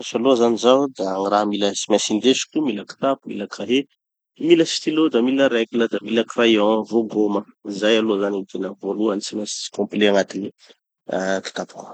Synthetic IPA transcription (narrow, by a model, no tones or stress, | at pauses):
saloazanizawd̪aŋiɾaɦmiləsimɛsind̪esi̥kʲumiləki̥t̪apumḭləkraɦe | miləsi̥t̪ilod̪amiləɾɛkuləd̪amiləkrajɔ̃voɡoməizajaloazanint̪enəvoluanisimasi̥i̥kɔ̃mpileaŋat̪ini | aki̥t̪apk